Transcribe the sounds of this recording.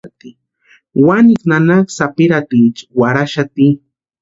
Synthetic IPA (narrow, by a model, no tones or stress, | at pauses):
t̪i | waniknanaksapiɾat̪it͡ʃwaɾaʃat̪i